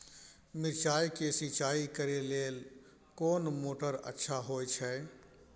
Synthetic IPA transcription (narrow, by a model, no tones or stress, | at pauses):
miɾt͡ʃajkesit͡ʃaikəɾelel | koːnmoːʈəɾə̰tːʃʰaɦojt͡ʃʰɛ